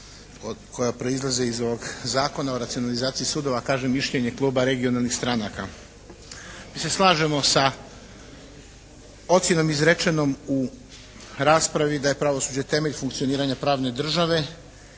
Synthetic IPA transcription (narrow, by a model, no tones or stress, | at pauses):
okʰo̞japɾo̞izlˠaze̞izoʋo̞ɡzaːko̞naoɾat̪sijo̞nalizaːt̪sijisuːd̪o̞ʋakaːʒemːiʃʎeɲe̞klˠuːbaɾe̞ɡio̞nalˠnixst̪ɾanaka̰ | miːse̞slˠaːʒe̞mo̞sa | o̞t̪sje̞no̞mizɾet͡ʃe̞no̞mu | ɾaːspɾaʋid̪aje̞pɾaʋo̞suːd͡ʑet̪e̞me̞ʎfuŋkt̪sio̞niːɾaɲapɾaːʋne̞d̪r̩ʒaʋe̞